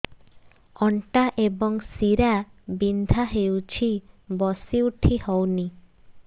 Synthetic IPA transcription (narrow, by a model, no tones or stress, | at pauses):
ɔɳʈaʔebɔŋsiɾabind̪ʱaɦewt͡ʃʰibɔsiuʈʰihɔwni